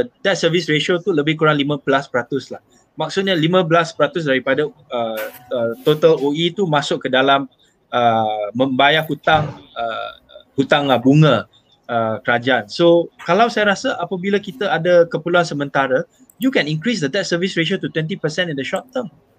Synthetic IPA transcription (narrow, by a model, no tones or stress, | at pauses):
dɛt̚səvisɹeʃot̪uləbɪhkuɾaŋlimə̃blaspəɾat̪ʊslah | mak̚sut̪̚ɲəlimə̃blaspɾat̪us̬daɾipadaəət̪ot̪aloit̪umasʊk̚kːədalam | əːəmbajahut̪aŋə | hut̪ãŋəbuŋə̃ | əkəɾad͡ʒaansokalawsajaɾasəʔapabilakit̪əadəkəpəluansəmə̃nt̪aɾə | jukɛ̃nĩŋkɾis̬dəd̪ɛt̚səvisɹeʃ̬iot̪ut̪wɛ̃nt̪ipəsɛ̃nĩndəʃɔp̚t̪əm